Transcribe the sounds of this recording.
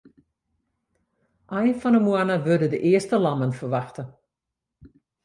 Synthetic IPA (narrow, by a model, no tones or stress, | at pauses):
ʔajnfɔnəmuanəʋødədəʔɪəstəlɑmənfəʋɑxtə